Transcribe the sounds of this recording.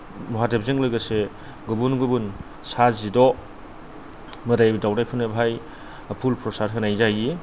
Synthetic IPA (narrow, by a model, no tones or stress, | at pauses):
mɔɦadep̚zeŋlɯɡɐse | ɡubunɡubun | sazidɔ | mɯɾajbdawɾajpʰɯnɯbʱaj | apʰulpɾɔsaɾkʰɯnajzaji